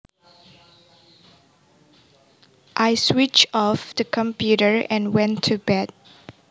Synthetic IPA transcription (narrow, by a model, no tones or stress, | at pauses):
ʔajswit͡ʃɔfd̥əkʰɔ̃mpʰjuɾəɹɛ̃nwɛ̃ntʰːubɛd̚